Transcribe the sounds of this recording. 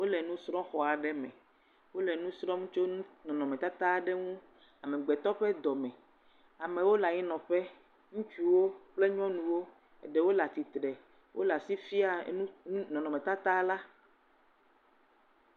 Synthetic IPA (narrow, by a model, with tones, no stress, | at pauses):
wo˦lɛ˨nũ˦sɾɔ̃˦xɔ˨a˨ɖɛ˦mɛ̰̃˨ | wo˦lɛ˨nũ˦sɾɔ˦ŋũ˦t͡ʃo˦nũ˦nɔ̃˨nɔ̃˨mɛ̃˨t̪a˦t̪a˦˨ɖɛ˦ŋũ˦ | a˨mɛ̃˨ɡ͡bɛ˨t̪ɔ˦ɸɛ˦d̪ɔ˨mɛ̃˨ | a˨mɛ˨wo˦la˨ɲi˦nɔ̃˨ɸɛ˦ | ŋũ˦t͡ʃu˦wo˦k͡ple˦ɲ˦ɔ̃˦nũ˨wo˦ | ɛ̰˨ɖɛ˦wo˦la˨t̪i˨t̪ɾɛ˨ | wʔo˦la˨si˦fi˦a˨˦nũ˦nɔ̃˨nɔ̃˨mɛ̃˨t̪a˦t̪a˦la˦